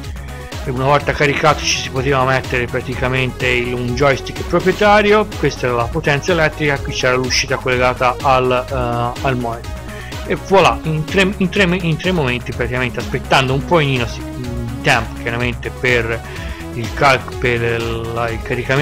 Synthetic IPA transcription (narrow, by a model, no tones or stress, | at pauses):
eunavɔlt̪akaɾikaːt̪o̥t͡ʃi̥sipot̪eːvamet̪ːeɾepɾat̪ikament̪eiund͡ʒɔjst̪ikːpɾopɾjet̪aːɾjokwest̪aɛːɾalapot̪ɛnt̪saelɛt̪ːɾikakːwit͡ʃːɛːɾaluʃːiːt̪akolːeɡaːt̪aːlː | lmɔjt̪ | evolaint̪ɾeint̪ɾemint̪ɾemːoment̪ipɾat̪ikament̪easpet̪ːand̪oumpɔiniːnosi | it̪ɛmpk̟ʲjaɾament̪eper | ilkalkpeailkaɾikam